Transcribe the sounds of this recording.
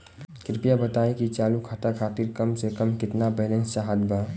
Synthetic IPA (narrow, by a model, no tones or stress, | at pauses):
kɪɾpijabət̪aːĩkit͡ʃaːlukʰaːʈakʰaːt̪iɾkəmsekəmkɪt̪nabɛːlẽnst͡ʃaɦəd̪ba